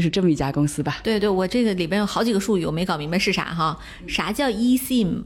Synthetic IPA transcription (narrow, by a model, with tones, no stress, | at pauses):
ʊʂɻ̩˥˧ʈ͡ʂɤ˥˩mə˩i˥˩t͡ɕja˥kʊ˥ŋsɹ̩˥bɐ˨t̪we˥˧ɪt̪we˥˩ɪwɔ˨˩ʈ͡ʂɤ˥˩ɡə˩li˨˩pjɛ˥njo˨˩ʊxɑ˧˥ʊt͡ɕi˨˩ɡə˧˦ʂu˥˧y̰˥˩˨me˧˥ɪkɑ˨˩ʊmi˧˥ŋbə˧nʂɻ̩˥˩a̰˧˥xɑ˥˧ | ʂa˧˥t͡ɕjɑ˥˩ʊi˥ɕi˥˩ŋ